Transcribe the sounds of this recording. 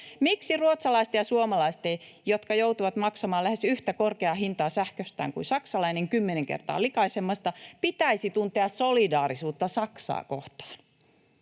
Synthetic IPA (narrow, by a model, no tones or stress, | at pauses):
miksiruot̪sɑlɑist̪ejɑsuomɑlɑist̪ejjot̪kɑjout̪uʋɑt̪mɑksɑmɑːlæhesyht̪ækorkeɑɦint̪ɑːsæhkøst̪æ̰ːŋkṵnsɑksɑlɑineŋkymːeneŋkḛrt̪ɑ̰ːlikɑisemːɑst̪ɑpit̪æisit̪unt̪eɑssolidɑːrisuːt̪ːɑsɑksɑ̰ːko̰ht̪ɑ̥ːn